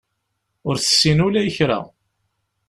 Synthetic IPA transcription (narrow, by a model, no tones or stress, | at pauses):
ʊɾθə̥sːinulæjəçɾæ̰